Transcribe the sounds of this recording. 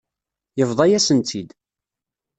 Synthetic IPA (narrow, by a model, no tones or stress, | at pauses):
jəvðˤɑjæsənt̪ʰid̪